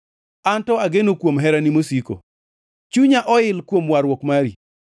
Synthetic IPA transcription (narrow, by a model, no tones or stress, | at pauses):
antɔaɡenokwomɦɛɾanimosiko̰ | t͡ʃuɲaʔɔɪlkwomwaɾwɔkmaɾi